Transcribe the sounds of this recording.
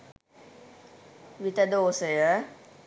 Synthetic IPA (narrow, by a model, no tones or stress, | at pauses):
ʋit̪əd̪oːsəjə